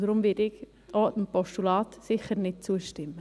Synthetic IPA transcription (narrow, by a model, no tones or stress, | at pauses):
dəɾʊmvɪdɪɡ | ʔɔːdəmpɔʃtulɑːtsɪχəɾnɪt̚t͡suəʃtɪmːə